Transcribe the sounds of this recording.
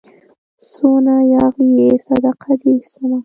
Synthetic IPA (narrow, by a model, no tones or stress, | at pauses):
sunajɑɣjesad̪aqʰad̪isuna